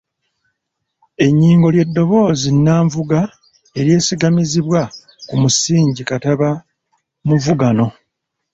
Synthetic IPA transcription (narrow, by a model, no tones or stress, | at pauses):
e̞ɲːiːŋɡo̞lje̞dːo̞βo̞ːzinːaːɱvuɡa | e̞ɾje̞ːsiɡamiziβwa | kumusiːɲɟikataβa | muvuɡano̞